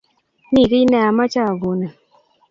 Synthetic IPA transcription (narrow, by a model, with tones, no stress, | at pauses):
ni˦˨ɾi˦nɛ˦˨a˨ma˦t͡ʃa˦˨ɡo˨na˨